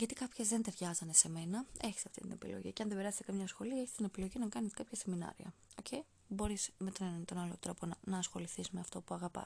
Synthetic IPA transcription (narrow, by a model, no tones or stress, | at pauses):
ʝɐt̪ikɐpçe̞zðe̞nt̪e̞ɾʝɐzɐne̞se̞me̞nɐe̞çi̥st̪ɐft̪ḭt̪ine̞pḭlo̰ʝḭceɐnðebe̞ɾɐse̥t̪ekɐmɲɐsxo̞liɐeçi̥st̪ine̞pilo̞ʝinɐkɐniskɐpçɐse̞minɐ̰ɾḭɐ̰ | o̞̰cʰei | bo̞ɾisme̞t̪onenɐnt̪o̞nɐlot̪ɾo̞po̞nɐnɐːsxo̞liθisme̞ɐft̪o̞puɐɣɐpɐ̰